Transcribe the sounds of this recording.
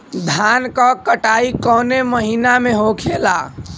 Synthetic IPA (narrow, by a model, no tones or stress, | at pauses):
d̪ʱankəkəʈaikɔneməɦinameɦokʰela̰